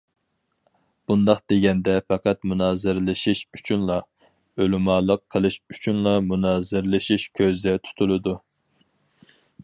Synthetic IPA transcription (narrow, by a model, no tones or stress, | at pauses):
b̥und̪ɑχd̪eɡʲɛnd̪ɛfɛqɑt̪munɑːzɨɾlˠɨʃiʃyt͡ʃʰynlˠɑ | ølumɑːlˠəqʰːəlˠɨʃyt͡ʃʰynlˠɑmunɑːzɨɾlˠɨʃiʃkʲʰøzd̪ɛt̪ʰu̥t̪ʰulˠɨd̪u